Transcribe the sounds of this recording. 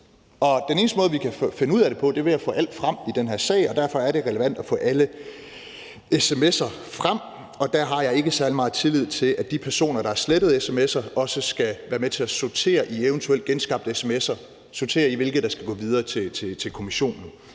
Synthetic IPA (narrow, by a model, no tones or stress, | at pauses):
ɒ̽d̥ene̝ːnsd̥əmɔ̽ːðˠʋikʰæffe̝nəuð̞̰ˠæɾe̝pʰɒ̽d̥e̝ʋe̝jɑfɔ̰̽ːʔæl̰d̥fʁɑm̰id̥enɦæɐ̰sɛ̰ɪɒ̽d̥æɐ̰fɒ̽æɐɾe̝ʁɛləʋæn̰d̥æfɔ̰̽ːʔælə | esemesɐ | fʁam̰ | ɒ̽d̥æɐɦɑ̈jɑ̈ɪe̝ɡ̥əsæɐlimɑ̈ːð̩ˠt͡sʰe̝lið̞̰ˠt͡sʰe̝lʔæd̥ipʰæɐso̝̰ːnɐɾ̥ɑ̈æɐsled̥əð̩ˠesemesɐʔɒ̽səsɡ̥æʋæːɐmet͡sʰe̝æsot͡sʰe̝̰ːɐʔieʊnt͡sʰuel̰d̥ɡ̥ensɡ̥ɑ̈b̥̚d̥esemesɐ | sot͡sʰe̝̰ːɐiʋe̝lɡ̥ð̩ˠd̥ɑ̈sɡ̥æɡ̥ɔ̰̽ːʋið̞ˠɐːt͡sʰet͡sʰe̝t͡sʰe̝lkʰo̝miɕo̝̰ːnn̩